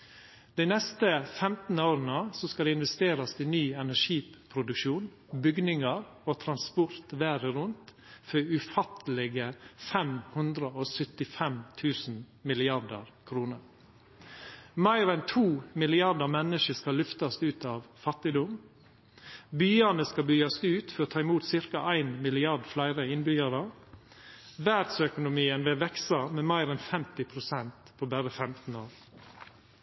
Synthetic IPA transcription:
d̪̥ɛɪnɛst̪əfɛmt̪n̩əoːɾənəsɔskɑd̪ɛɪnʋɛst̪eːɾɑsiːnyːɛnæʂiːpʰɾʊd̪ʉkʃuːn | bʏɡnɪŋɑɾ | oːt̪ʰɾɑnspʊɾt̪ʋæːɾəɾʉnt̪ | fœʉfɑt̪əlɛɡəfɛmhʉnd̪ɾəoːsœt̪ɪfɛmt̪ʰʉːsn̩ | mɪlɪɑɖəɾkʰɾuːnəɾ | mæɪɾɛnt̪ʰuːmɪlɪɑɖəɾmɛnəʃəskɑlʉft̪ɑst̪ʉːt̪ɑːʋfɑt̪ɪd̪ʊm | byːɑnəskɑbyːɑsʉːt̪fɔɾoːt̪ʰɑːɪmuːt̪sɪɾkɑʔæɪnmɪlɪɑɾɖflæɪɾəɪnbʏɡɑɾə | ʋæd̪sœkʊnʊmiːənʋɛʋɛksɑmeːmæɪɾɛnfɛmt̪ɪpʰɾʊsɛnt̪pʰoːbæɾəfɛmt̪n̩oːɾ

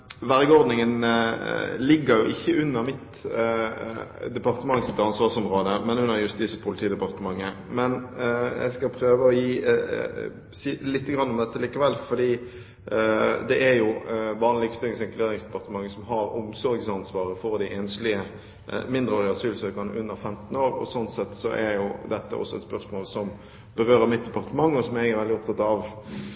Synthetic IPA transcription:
ʋæʁɡəɔʁd̪nɪŋən | lɪɡːəɾjʊʔɪçːəʉnːəʁmɪt̪ | d̪ɛpɑʁt̪əmɑŋːsɪt̪ːɑnsʋɑʁsɔmʁoːd̪əmɛnʉnːəʁjʉst̪iːsəpʰʊlɪt̪ʰiːd̪əpɑʁt̪əmɑŋːə | mɛnɛ̰skɑpʰʁøːʋəɔjiː | siːlɪt̪ːəɡʁɑnːɔmd̪ɛt̪ːəliːkəʋɛlːfɔdiː | d̪ɛʔæɾjʊʋɑːnlɪɡst̪ɪlŋsɛŋkleːʁɪŋsd̪ɛpɑʁt̪əmɑŋːəsɔmɦɑɾʊmsɔɾɡsɑnsʋɑːʁəfɔʁd̪æɪʔɛːnəslɪə | mɪnd̪ʁəlɪɑsyːlsøːkɑnə̰ʔʉnːəɾfɛmt̪noːɾɔ̰sɔnt̪sɛt̪ːsɔ̰ʔɛɾjʊd̪ɛt̪ːə̰ʔɔ̰sːɔɛt̪spœʁsmoːlsɔm | bəʁøːɾəmɪt̪̚d̪ɛpɑʁt̪əmɑŋːɔsɔmɛɡæʁʋɛld̪ɪɔp̚t̪ɑt̪ɑʋ

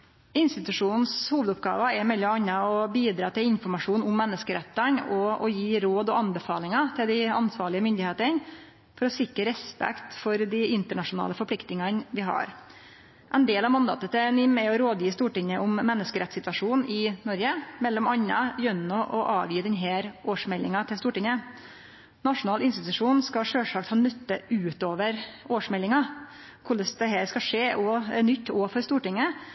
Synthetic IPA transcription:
ɪnst̪ɪt̪ʉʂuːnn̩shuːʋəd̪ʊp̚ɡɑ̰ːʋɑɛmɛlːɔmɑɲːɑɔbiːd̪ɾɑːt̪ɪlɪnfɔɾmɑʂuːnʊmːɛnːəskəɾɛt̪ːəɳɔɔjiːɾoːd̪ɔɑnbəfɑːlɪŋɑt̪ʰɪld̪ɪɑnsʋɑːɭɪəmʏnd̪ɪheːt̪əɳ | fɔɾɔsɪkɾəɾɛspɛ̰kt̪fɔɾd̪ɪɪnt̪əɳɑʂʊnɑ̰ːləfɔɾplɪkt̪nɪŋɑnʋɪɦɑ̰ɾ | ʔɛɪnd̪eːlɑʋmɑnd̪ɑ̰ːt̪ət̪ʰɛnɪmɛɔɾoːd̪jiːst̪uːʈɪŋːəʔɔmːɛnːəskəɾɛt̪sɪt̪ʋɑʂuːnɪnɔɾɡəmɛlːɔmɑɲːɑ̰jœnɔʔɔʔɑːʋjiːd̪ɛnɦæːɾʔoːʂmɛlːɪŋɑt̪ʰɪst̪uːʈɪŋə | nɑʂʊnɑːlɪnst̪ɪt̪ʉʂuːnskɑʂøːlʂɑːk̚t̪hɑːnœt̪ːəʔʉːt̪oːʋəɾoːʂmɛlːɪŋɑ | kʰʊləsd̪ɛɦæːɾskɑʂeːʔɔnʏt̪ːoːfɔɾst̪uːʈɪŋːə

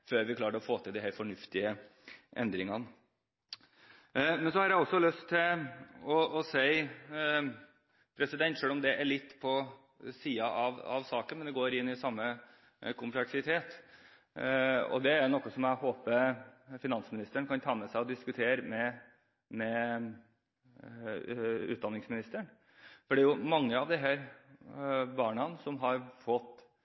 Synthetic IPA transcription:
føːɾʋɪkʰlɑːɾəɾɔfoːt̪ɪld̪ɪhæːɾfɔɳʉft̪ɪəʔɛ̰nd̪ɾɪŋɑnə | mɛnsɔhɑɾjæɪɔsːɔlœst̪ʰːɪɔɔsæɪ | pʰɾɛsɪd̪ɛnt̪ʂøːlɔmd̪ɛʔɛɭɪt̪ːpʰɔ | siːɑʔɑʋɑ̰ʋsɑːkənmɛnd̪ɛɡoːɾɪnːɪsɑmːə | kʰʊmpʰlɛksɪt̪ʰeːt̪ | ɔ̰d̪ɛæjnɔkːɔsɔmæɦoːpəfɪnɑnsmɪnɪst̪əɳkɑnt̪ʰɑːmɛsæɪɔd̪ɪskʉt̪ʰeːɾmɛ | mɛ | ʉ̰ːt̪d̪ɑnːɪŋsmɪnɪst̪əɳ | fɔɖɛæɾjʊmɑŋːəɑʋd̪ɪɦæːɾ | bɑːɳɑnsɔmɦɑɾfɔt̪ː

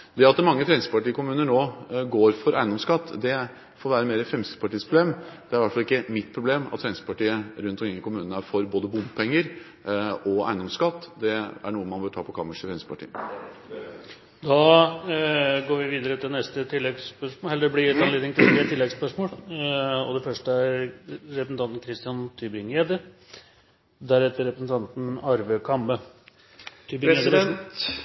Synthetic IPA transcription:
d̪ɛɑt̪mɑŋːəfɾɛnɪsəpɑʈiːkʊmʉːnəɳoːɡoːɾfɔɾʔæɪnd̪ɔmskɑt̪ːd̪ɛ | fɔɾʋæːɾəmeːɾəfɾɛmsɪ̥pʰɑʈiːspɾʊbleːmd̪̥ɛæɾʋæʈfɑlɪkːəmɪt̪ːpʰɾʊbleːmɑ̰t̪fɾɛnɪsəpɑʈiːəɾʉnt̪ɔkʰɾɪŋːəkʊmʉːnnəfɔɾboːd̪əbʊmpʰɛŋːəɾ | ɔæ̰ɪnd̪ɔmskɑt̪ːd̪ɛæɳuːəmɑnbœʈʰɑːpɔkʰɑməʂəfɾɛnsəpʰɑʈʰḭːə | d̪ɑː | ɡoːɾʋɪʋiːd̪əɾət̪ʰɪlnɛst̪ət̪ʰɪlːɛɡspœʂoɛlːəɖ̪blɪɛt̪ɑnleːd̪ɪŋt̪ʰɪlɛt̪ʰɪlːɛɡspœʂmoːl | ɔ̰d̪ɛfœʂʈəæɾːɛpɾsn̩t̪ɑnt̪n̩kʰɾɪst̪ɪɑnt̪ʰybɪŋeːd̪ə | d̪æɾhɛt̪ːəɾɛpɾəsn̩t̪ʰɑnt̪n̩ɑɾʋəkʰɑmbə | t̪ʰyːbɪed̪ən

